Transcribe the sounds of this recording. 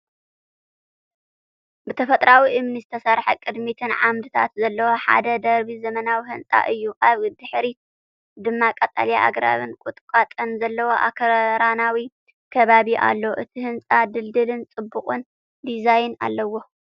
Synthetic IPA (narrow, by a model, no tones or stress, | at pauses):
bɨt̪ʰɐfɐt̪ʼɾawiʔɨmnizɨt̪ʰɐsaɾħɐkʼɨd̪mit̪ʰɨnʕa̰md̪ɨt̪ʰa̰t̪zɐlːɐwo̞ħa̰d̪ɐd̪ɐɾbizɐmɐnawiɦɨnt͡sʼa̰ʔɨjːuʔaβd̪ɨħɾi | d̪ɨmːakʼɐt̪ʼa̰ljaʔa̰ɡɾa̰βɨnkʷʼut̪ʼkʼat̪ʼɐnzɐlːɐwo̞ʔa̰kʰɐɾɾanawi | kʰɐβaβiʔa̰lːoʔɨt̪ʰihɨnt͡sʼad̪ɨld̪ɨlɨnt͡sʼɨbːuqʼɨn | d̪izajna̰lːɐwo̞